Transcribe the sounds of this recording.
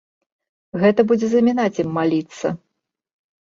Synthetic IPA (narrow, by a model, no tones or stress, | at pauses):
ɣɛt̪ɐbud͡zʲɛzɐmʲinat͡sʲimːalʲit̪sːɐ̰